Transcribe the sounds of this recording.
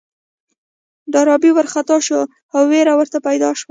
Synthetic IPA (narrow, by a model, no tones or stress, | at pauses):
ɖɑɾɑbiwəɾxat̪ɑʃo | awːeɾawəɾt̪apajd̪ɑʃwa